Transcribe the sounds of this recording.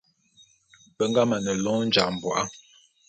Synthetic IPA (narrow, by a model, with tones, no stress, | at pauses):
pə˦ŋɡa˦ma˨nə˨lɔ̃˦n̩˦d͡ʒa˨ʔm̩˨bwa̰˨ʔa˦